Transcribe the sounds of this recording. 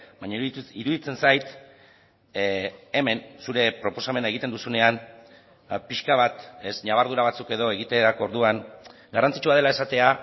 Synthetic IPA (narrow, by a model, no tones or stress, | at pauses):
baɲaiɾuðit͡se̞nsajt̪ | e̞me̞nsuɾe̞pɾo̞po̞same̞nae̞ɣit̪e̞nd̪usune̞an | piʃkaβ̞at̪e̞sɲaβaɾðuɾaβat͡suke̞ðo̞e̞ɣ̞it̪eɾakoɾðuaŋ | ɡarant͡sit͡ʃuað̞e̞lae̞sat̪e̞a